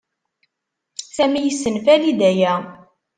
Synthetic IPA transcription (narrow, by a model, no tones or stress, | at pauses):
sæmijəsːənfælid̪æjæ